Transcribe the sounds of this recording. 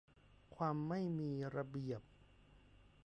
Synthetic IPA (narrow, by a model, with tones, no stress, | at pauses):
kʰwaː˧mːa˥˩jmiː˧ɾa˧bi˨˩əp̚